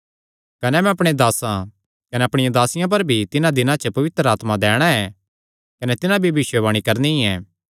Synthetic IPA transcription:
kɐnɛmɛ̃ɐpɽ̃ed̪aːsã | kɐnɛɐpɽ̃ɪjãd̪aːsɪjãp̬ɐɾbʱit̪ɪnãd̪ɪnãt͡ʃəpɐʋɪt̪ɾəaːt̪mãd̪ɛːɽ̃aɛ | kɐnɛt̪ɪnãbʱibɪʃwəʋɐɽ̃ikɐɾniĩɛ̃ː

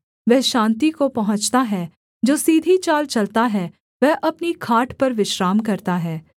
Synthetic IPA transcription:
ʋɛɦʃãːnt̪ikopɐɦʊ̃t͡ʃt̪aɦɛ | d͡ʒoːsiːd̪ʱit͡ʃaːlt͡ʃɐlt̪aɦɛ | ʋɛɦʔɐpnikʰaːʈʰpɐɾʋɪʃɾaːmkɐɾt̪aɦɛː

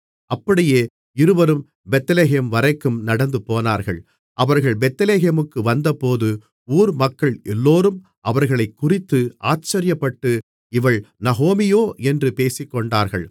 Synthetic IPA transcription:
ʔɐpːɐɽɪjeː | ɪɾɯʋɐɾɯm | bɛt̪ːɐleːɦemʋɐɾɐɪkːɯmnɐɽɐnd̪ɯpoːnaːɾɣɐɭ | ʔɐʋɐɾɣɐɭbɛt̪ːɐleːɦemɯkːɯʋɐnd̪ɐpoːðɯ | uːɾmɐkːɐɭʔɛlːoːɾɯm | ʔɐʋɐɾɣɐɭɐɪkːʊrɪt̪ːɯʔaːt͡ʃːɐɾɪjɐpːɐʈːɯ | ɪʋɐɭnɐɣoːmɪjoːɛndrɯpeːsɪkːɔɳɖaːɾɣɐɭ

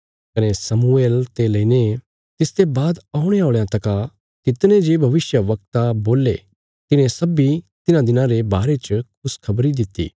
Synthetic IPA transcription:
kɐnesɐmueːlt̪elɐine | t̪ɪst̪ebaːd̪aːʊɽ̃eoːɭjãt̪ɐka | t̪ɪt̪nẽd͡ʒebʱɐʋɪsjəʋɐk̚t̪aboːlːḛ | t̪ɪnẽsɐbit̪ɪnãd̪ɪnãɾebaːɾet͡ʃəkʰʊskʰɐbɾid̪ɪt̪ːḭː

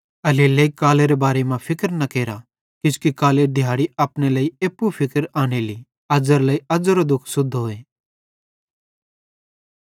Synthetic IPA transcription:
ɐleleikaːleɾebaːɾemãpʰɪkəɾnɐkeːɾa | kʊ̃skikaːleɖʱɪjaːɽiɐpɽ̃elɐːieːpːupʰɪkəɾaːɽ̃eli | ɐd͡zəɾlɐːiɐd͡zəɾod̪ʊkʰsʊd̪ʱɦoːe

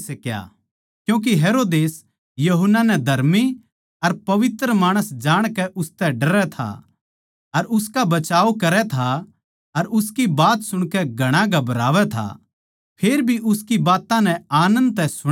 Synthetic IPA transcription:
skja̰ | kjũːk̬iɦeːɾoːd̪eːs | jɐɦʊnːanɛd̪ʱɐɾmi | ɐɾpɐʋɪt̪ɾəmaːɽ̃əsd͡ʒaːɽ̃kɛʔʊst̪ɛɖɐɾɛt̪ʰa̰ | ɐɾʊskabɐt͡ʃaːokɐɾɛt̪ʰa | ɐɾʊskibaːt̪sʊɽ̃kɛɡʱɐɽ̃ãɡɐbɾaːʋɛt̪ʰa̰ | pʰeːɾbʱiʔʊskibaːt̪ãnɛaːnə̃nd̪̚t̪ɛ̃sʊ

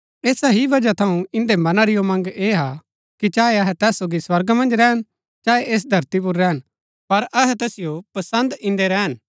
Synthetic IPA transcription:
eːsaɦiʋɐd͡ʒat̪ʰɐũɪ̃nd̪emɐnaɾɪjomɐ̃ŋɡeːɦa | kit͡ʃaːeɐɦɛt̪ɛːsːoːɡiswɐɾɡmɐ̃nd͡ʒɾɛːɦən | t͡ʃaːeʔeːs̬d̪ʱɐɾt̪ip̬ʊɾːɛːɦən | pɐɾʔɐɦɛt̪ɛːsɪjopɐsə̃nd̪ɪ̃nd̪eɾɛːɦən

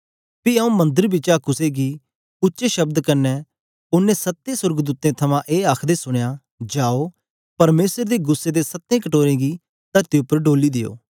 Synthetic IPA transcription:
piɐũmɐ̃nd̪əɾbɪt͡ʃakʊseɡi | ʊtːʃeʃɐbd̪kɐɾnɛ | ʊnːẽsɐt̪ːẽsʊɾɡd̪uːt̪ẽt̪ʰɐmãʔeːaːkʰd̪esʊɽ̃eja | d͡ʒaːo | pɐɾmeːsəɾd̪eɡʊsːed̪esɐt̪ːẽːkɐʈoːɾẽɡi | t̪ɐɾt̪iʊpːəɾɖoːlid̪ɪjo̰ː

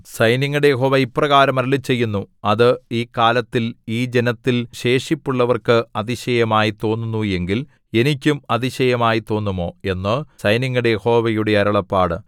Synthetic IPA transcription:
sɐjniŋːɐɽejeɦo̞ːʋɐipːrɐɣaːɾɐmɐɾɐlit͡ɕe̞jːunːuɐðɨiːkaːlɐt̪ːiliːd͡ʑe̞nɐt̪ːilɕe̞ːʂipːuɭːɐʋɐrkɨɐðiɕɐjɐmaːjit̪o̞ːnːunːue̞ŋɡil | e̞nikʲːumɐðiɕɐjɐmaːjit̪o̞ːnːumo̞ːe̞nːɨsɐjniŋːuɽe̞jeho̞ːʋɐjuɽe̞ɐɾɐɭɐpːaːɽɨ̰

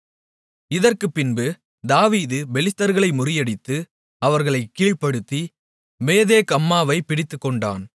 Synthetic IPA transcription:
ɪðɐrkɯpːɪnbɯ | d̪aːʋiːðɯbɛlɪt̪ːɐɾɣɐɭɐɪmʊrɪjɐɽɪt̪ːɯ | ɐʋɐɾɣɐɭɐɪkːiːɭpːɐɽɯt̪ːi | meːðeːkɐmːaːʋɐɪpːɪɽɪt̪ːɯkːɔɳɖa̰ːn

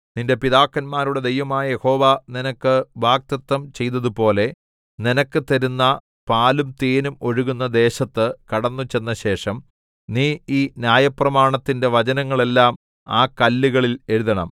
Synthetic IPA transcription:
ninde̞piðaːkːɐnmaːɾuɽe̞d̪e̞jʋɐmaːjɐje̞ho̞ːʋaninɐkːɨʋaːk̚t̪ɐt̪ːɐmt͡ɕe̞jt̪ɐðupo̞ːle̞ | ninɐkːɨt̪ɐɾunːɐ | paːlumt̪eːnumo̞ɻuɣunːɐd̪e̞ːɕɐt̪ːɨkɐɽɐnːut͡ɕe̞nːɐɕe̞ːʂɐm | niːiːnjaːjɐprɐmaːɳɐt̪ːinde̞ʋɐt͡ɕɐnɐŋːɐɭe̞lːaːm | aːkɐlːuɣɐɭile̞ɻuðɐɳɐ̰m

